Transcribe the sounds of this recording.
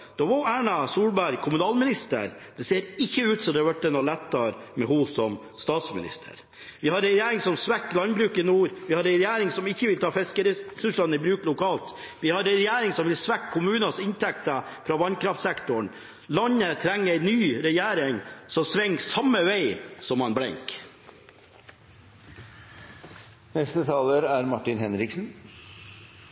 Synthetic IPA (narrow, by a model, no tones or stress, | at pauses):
d̪̥ɔʋɔæːɳɑsuːlbæɾɡkʰʊmʉnɑːlmɪnɪst̪ə̰ɾd̪̥ɛseːɾɪçːəʉːt̪sɔd̪ɛɑʋæʈːɛnɔlɛt̪ːɑɾmɛhʊsɔm | st̪ɑːt̪smɪ̰nɪ̰st̪ʰə̰ɾ | ʋɪhɑɾɛɾjæːɾɪŋsɔmsʋækːlɑnbɾʉːkɪnuːɾʋɪhɑɾɛɪɾɛjæːɾɪŋsɔmɪçːəʋɪlt̪ʰɑːfɛskəɾɛsʉʂɑnəɪbɾʉːklʊkɑːlt̪ | ʋɪhɑɾɛɾɛjæːɾɪŋsɔmʋɪlsʋækkʰʊmʉːnɑsɪnt̪ʰɛkt̪əfɾɑʋɑnkʰɾɑft̪sɛkt̪ʊɳ | lɑnːət̪ʰɾɛŋːəæɪnyːɾɛjæːɾɪŋsɔmsʋɛŋsɑmːəʋæɪsɔmɑnblɛ̰ŋk | nɛst̪ət̪ʰɑːləɾæɾmɑʈɪnhɛnɾɪksn̩